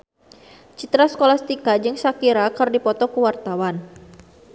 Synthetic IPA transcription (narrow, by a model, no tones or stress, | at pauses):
t͡ʃit̪ɾasə̥kolast̪ikad͡ʒɨŋsakiɾakərdipɔt̪ɔkəwart̪awan